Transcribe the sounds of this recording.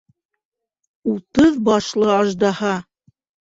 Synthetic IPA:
ut̪ɤðbɑʃlˠɤɑʒd̪ɑhɑ

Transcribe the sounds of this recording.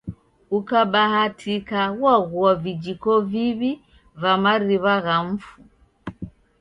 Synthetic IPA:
ukaɓahatʰikawaɣuavid͡ʒikɔviβi | vamaɾiβaɣaɱ̩fu

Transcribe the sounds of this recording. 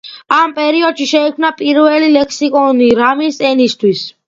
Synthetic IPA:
ampʼɛɾiɔd̪ʃiʃɛikʰmnapʼiɾvɛlilɛkʰsikʼɔniɾamisɛnist̪ʰwis

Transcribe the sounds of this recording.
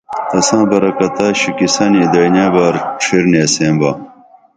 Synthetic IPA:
t̪ɐsãːbɐɾɐkɐt̪ɐɕikisɐnid̪ɐjnaːbaɾʈ͡ʂʰiɾniɐsẽːmbɐ

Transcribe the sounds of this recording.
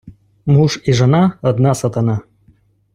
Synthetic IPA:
muʂiʐənaəd̪nasat̪ana

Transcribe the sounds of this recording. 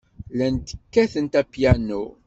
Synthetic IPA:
lænt̪ə̥kːæθənt̪æpjænːu

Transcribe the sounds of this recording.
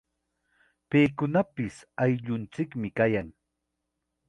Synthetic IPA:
peːkʊnapɪsajʎʊnt͡sɪkmɪkajaŋ

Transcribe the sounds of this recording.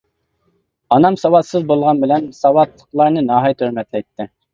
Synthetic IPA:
ɑnɑmsɑwɑt̪sɨzbolˠʁɑnbɪlɛnsɑwɑt̪lˠə̥qlˠɑɾnɨnɑɦɑjt̪ʰøɾmɛt̪lɛjt̪ʰːɪ

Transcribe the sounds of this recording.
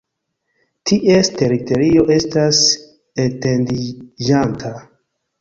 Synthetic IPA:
tʰiʔeste̞ɾito̞ɾio̞ʔe̞stas | etendid͡ʒantʰa

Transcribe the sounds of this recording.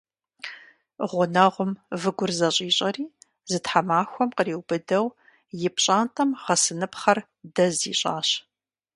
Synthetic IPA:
ʁʷʊnɐʁʷʊmvɨɡʷʊrzɐɕʼiːɕʼɐriː | zɨtħamaːxʷɔmqəriːwb̥ɨdɐw | jɪpʰɕʼaːntʰʼɐmʁɐsɨnɨpχɐr | dɐzḭːɕʼaːɕ

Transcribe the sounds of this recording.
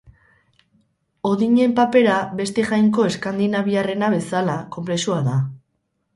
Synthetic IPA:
o̞ðiɲe̞mpape̞ɾaβe̞st̪eʝajŋko̞e̞skand̪inaβiare̞naβe̞salako̞mple̞suaða

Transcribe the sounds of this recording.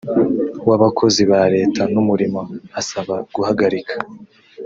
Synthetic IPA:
waβakʰo̞ziβaɾe̞ːtʰanumuɾimoasaβaɡ̥uhaɡaɾikʰḁ

